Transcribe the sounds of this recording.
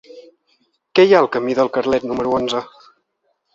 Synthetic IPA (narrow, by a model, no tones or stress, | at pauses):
kɛjaəlˠkəmiðəlˠkərlɛt̪numəɾuonzə